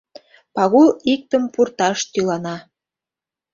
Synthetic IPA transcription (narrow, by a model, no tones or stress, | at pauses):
pɑɣulik̚t̪əmpurt̪ɑʃt̪ylɑnɑ